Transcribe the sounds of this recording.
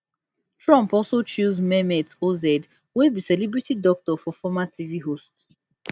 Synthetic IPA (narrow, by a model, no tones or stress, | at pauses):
tɹãmpɔlsot͡ʃuzmɛmetozɛd | webisɛlibɹitidɔk̚tɔfɔfɔmatʰiviɦost